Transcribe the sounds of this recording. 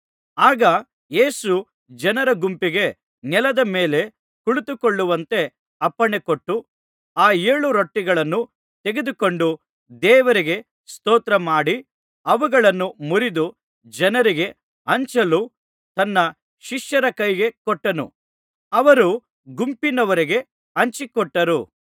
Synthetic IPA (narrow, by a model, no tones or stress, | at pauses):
aːɡɐ | je̞ːsu | d͡ʒɐnɐɾɐɡumpiɡe̞ | nɛlɐd̪ɐmeːle̞ | kuɭut̪ukoɭːuʋɐnt̪e̞ | ɐpːɐɳekoʈːu | aːeːɭuɾoʈːiɡɐɭɐnːu | t̪e̞ɡed̪uko̞ɳɖu | d̪ɛːʋɐɾiɡe̞ | st̪ɔːt̪ɾɐmaːɽi | ɐʋuɡɐɭɐnːumuɾid̪u | d͡ʒɐnɐɾiɡe̞ | ɐɲt͡ʃɐlu | t̪ɐnːɐ | ʃiʂjɐɾɐkɐjɡe̞kɔʈːɐnṵ | ɐʋɐɾu | ɡumpinɐʋɐɾiɡe̞ | ɐɲt͡ʃikɔʈːɐɾu